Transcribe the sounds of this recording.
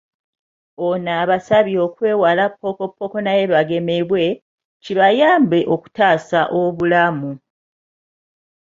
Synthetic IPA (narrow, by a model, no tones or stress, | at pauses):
onaːβasaβio̞kwe̞ːwalapːo̞ko̞pːo̞ko̞naje̞βaɡe̞me̞βwe̞ | ciβajaːmbe̞ʔo̞ku̥taːsaʔo̞βulamu